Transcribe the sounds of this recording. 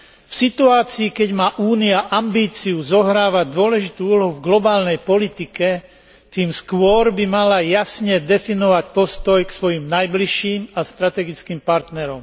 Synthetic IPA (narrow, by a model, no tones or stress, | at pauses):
fsit̪uaːt͡siːkɛɟmaːʔuːniaʔambiːt͡siuzɔɦɾaːʋad̪ʊɔlɛʒit̪uːuːlɔɦuvɡlɔbaːlnɛjpɔlit̪ikɛ | t̪iːmskʋʊɔɾbimalajasɲɛd̪ɛfinɔʋacpɔst̪ɔjksʋɔjimnajbliʃiːmast̪ɾat̪ɛɡit͡skiːmpaɾt̪nɛɾɔm